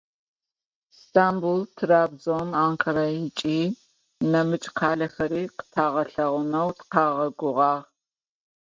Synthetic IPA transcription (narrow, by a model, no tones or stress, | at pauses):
stʰaːmbultʰraːbzonaːŋkʰɐɾajɪt͡ʃʼiː | nɐmɨt͡ʃʼqʰaːɮɐxɐɾiːqə̥tʰaːʁɐɬɐʁʷʊnɐwtʰqʰɑːʁɐɡʷʊʁɑːʁ